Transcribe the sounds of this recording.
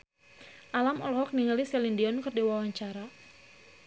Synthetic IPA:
ʔalamɔlɔɦɔk̚niŋəlisɛlindiɔnkɨrdiwawaɲt͡ʃaɾa

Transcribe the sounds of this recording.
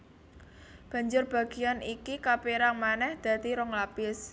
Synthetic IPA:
b̥ä̤ɲd͡ʒʊrb̥a̤ɡ̥i̤janikikapiɾaŋmanɛhd̪̥ä̤t̪iɾɔŋlapɪs

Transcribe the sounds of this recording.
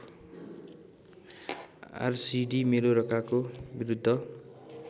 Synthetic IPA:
a̰rsiɖimeɾoɾʌkakobiɾud̪ʱːʌ

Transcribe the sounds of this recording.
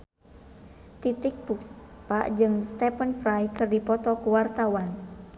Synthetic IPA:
t̪it̪ik̚buks | paʔd͡ʒɨŋst̪ɛpənfɾajkɨrdipɔt̪ɔkuwart̪awan

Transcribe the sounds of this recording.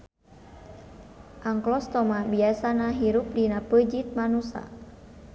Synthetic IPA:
ʔaŋklɔst̪ɔmabiasanaɦiɾup̚dinapəd͡ʒit̪̚manusa̰

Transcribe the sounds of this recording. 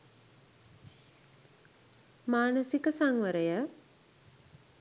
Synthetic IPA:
maːnəsikəsaŋʋəɾəjə

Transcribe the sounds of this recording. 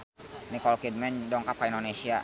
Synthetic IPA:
nikɔlkid̚mɛɲdɔŋkap̚kaindonesia

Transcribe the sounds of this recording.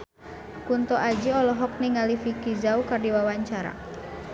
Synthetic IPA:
kunt̪ɔʔad͡ʒiɔlɔɦɔk̚niŋalifikizaukardiwawaɲt͡ʃaɾa̰

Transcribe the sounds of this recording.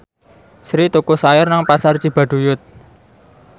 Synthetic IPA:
sɾit̪ukusajɪrnaŋpasart͡ʃib̥a̤ɖ̥ṳjʊt̪̚

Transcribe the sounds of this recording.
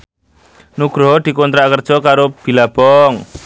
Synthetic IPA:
nuɡ̥ɾɔd̪̥i̤kont̪ɾakərd̥ʒ̥ɔ̤kaɾob̥i̤lab̥ɔŋ

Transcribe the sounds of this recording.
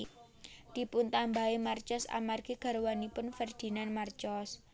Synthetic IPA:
d̪̥i̤pʊnt̪ambaemart͡ʃɔsa̰marɡ̥eɡ̥a̤ɾwanipʊnfərd̪̥i̤nanmart͡ʃɔs

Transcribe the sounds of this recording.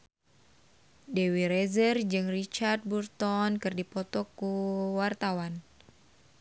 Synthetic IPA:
dewiɾezərd͡ʒɨŋrit͡ʃard̪̚burt̪ɔnkɨrdipɔt̪ɔkuwart̪awan

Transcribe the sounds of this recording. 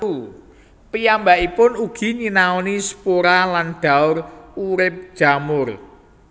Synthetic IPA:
u | pijambaʔipʊnuɡ̥i̤ɲinaɔnisə̥poɾalanɖ̥a̤ʊruɾɪp̚d̥ʒ̥a̤mʊr

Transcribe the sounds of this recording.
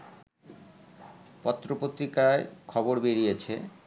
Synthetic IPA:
pɔt̪ːɾopot̪ːɾikaekʰɔboɾbeɾijet͡ɕʰḛ

